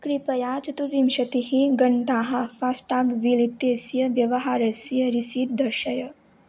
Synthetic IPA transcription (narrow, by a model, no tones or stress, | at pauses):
kɾipɐjaːt͡ʃɐt̪uɾimʃɐt̪ihiɡɐɳɖaːɦafasʈaːɡʋiːlit̪jesjɐʋjɐʋɐɦaːɾɐsijɐɾisiːʈ̚d̪ɐɾʃɐjɐ